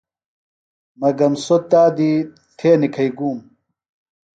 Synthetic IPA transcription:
mɐɡɐmsot̪aːd̪i | t̪ʰeːnikʰɐiɡuːm

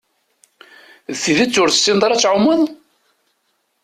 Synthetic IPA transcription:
ðθiðit͡sːʊɾθsind̪ˤɑɾˤæt͡sːʕʊmːəðˤ

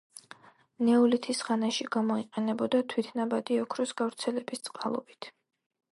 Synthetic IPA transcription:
nɛulit̪ʰisʁanaʃiɡamɔiqʼɛnɛbɔd̪at̪ʰwit̪ʰnabad̪iɔkʰɾusɡavɾt̪sʰɛlɛbist̪sʼqʼalˠɔ̰b̥it̪ʰ

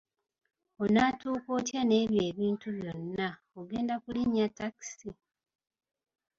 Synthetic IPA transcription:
o̞naːtuːko̞ːtjane̞ːβje̞ːβiːntuβjo̞nːa | oɡe̞ːndakuliɲːatːaki̥si

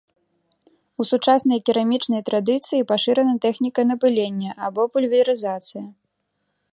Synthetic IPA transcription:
usut͡ʂasnɐjɐkʲiɾamʲit͡ʂnɐjt̪ɾad̪ɨt̪sɨjipaʂɨɾɐnɐt̪ɛxnʲikɐnɐpɨlʲenʲːɐʔabɔpulʲvʲiɐɾɨzat̪sɨjɐ

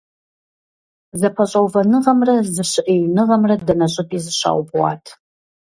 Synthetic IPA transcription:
zɐpʰɐɕʷʼawvɐnɨʁɐmrɐzɨʃɨʔejnɨʁɐmrɐdɐnɐɕʼɨtʼizɨʃa̰ːwbʼwa̰tʰ

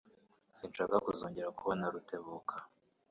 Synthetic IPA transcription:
sinʃakakuzoːɲɟeɾakuβonaɾute̞βukʰa

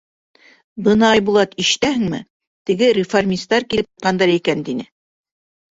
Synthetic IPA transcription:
bɤnɑɑjbulˠɑt̪iʃt̪æɦɘ̆ŋmɘ̰ | t̪ɘ̆ɡɘɾʲɪformʲist̪ɑɾkilɘp̚t̪ɤt̪qɑnd̪ɑɾikænt̪inɘ

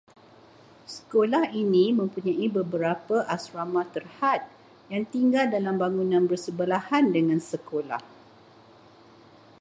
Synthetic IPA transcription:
sə̥kolahinĩmə̃mpuɲãibəbəɾapəʔasɾamãt̪ərhat̪̚ | jaŋt̪iŋɡaldalambaŋunãnbərsəbəlahandəŋãnsəkola̰h

